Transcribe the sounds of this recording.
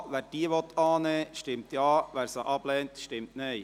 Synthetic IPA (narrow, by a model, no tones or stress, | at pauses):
ʋæːɾd̥iːʋɔt̪ʰːɑːneːʃtɪmt̪jɑːʋæːɾsɑʔɑb̥lɛːnt̪ʃtɪmtnɛɪ